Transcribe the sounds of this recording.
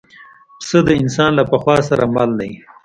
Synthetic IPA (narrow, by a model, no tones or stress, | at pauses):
səd̪əɪnsɑnlapəxwɑs̬aɾamɑ̰lnaj